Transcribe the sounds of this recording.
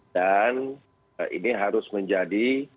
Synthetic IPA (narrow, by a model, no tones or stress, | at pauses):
dan | ʔḭniɦaɾʊsməɲd͡ʒadi